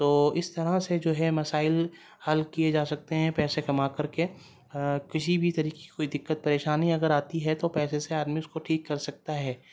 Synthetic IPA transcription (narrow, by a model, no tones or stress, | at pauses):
t̪oːɪst̪ɐɾased͡ʒoːɦɛmɐsaːɪl | hɐlkied͡ʒaːsɐk̚t̪eɦɛ̃pɛːsekɐmakɐɾke | kɪsibʱit̪ɐɾiːkeikoːid̪ɪkːət̪̚pɐɾeːʃaːniɐɡəɾaːt̪iɦɛt̪opɛːseseaːd̪miʊskoʈʰiːkːɐɾsɐk̚t̪aɦɛː